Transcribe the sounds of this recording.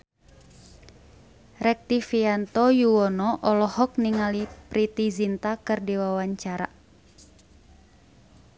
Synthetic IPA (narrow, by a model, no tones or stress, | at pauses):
rɛk̚t̪ifiant̪ɔjuɔnɔʔɔlɔhɔk̚niŋalipɾit̪izint̪akɨrdiwawaɲt͡ʃaɾa̰